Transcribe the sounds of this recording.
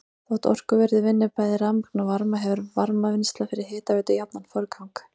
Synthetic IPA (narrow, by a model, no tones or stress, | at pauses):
θɔwht̪ɔ̰r̥kʏvɛɾðɪvɪnːɪpaːjðɪɾamiknavaɾmaɦɛvʏɾvaɾmavɪnst̪lafɪɾɪɾ̥ɦɪːt̪avɛːt̪ʏjapnanfœɾkʰawŋk